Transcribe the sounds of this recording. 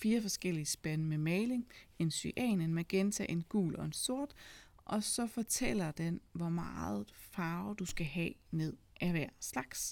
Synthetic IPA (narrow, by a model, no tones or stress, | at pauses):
fiːɐfɒ̽sɡ̥el̰iəsb̥ænəmemeɪle̝ŋe̝nsyʔɛ̰ːnenmæɡ̥ent͡sʰæʔe̝nɡ̥ṵːlʔɒ̽e̝nso̝ɐ̰d̥ | ʔɒ̽sɒ̽fɒ̽t͡sʰel̰ɐd̥enʋɒmɑ̈ːð̩ˠfɑ̈ːʊd̥usɡ̥æɦɛ̰ːne̝ð̞̰ˠʔæʋæɐ̰slɑ̈ɡ̥s